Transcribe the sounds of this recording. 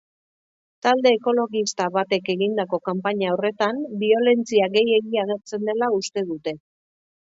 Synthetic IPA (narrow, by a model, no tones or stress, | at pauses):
t̪ald̪e̞ːko̞lo̞ɣist̪aβat̪e̞ke̞ɣind̪ako̞kampaɲaore̞t̪anbio̞le̞nt͡siaɣe̞je̞ɣiaɣ̞e̞ɾt͡se̞nd̪e̞laust̪e̞ð̞ut̪e̞